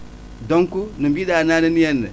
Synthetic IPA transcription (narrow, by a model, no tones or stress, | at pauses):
doŋkunumbidanaːnenijɛnːḛ